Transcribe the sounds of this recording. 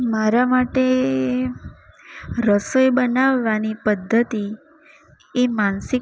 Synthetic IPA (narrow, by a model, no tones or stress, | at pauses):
maɾamaʈe | ɾəsəjbənaʋːanipəd̪ʱːət̪i | emansɪ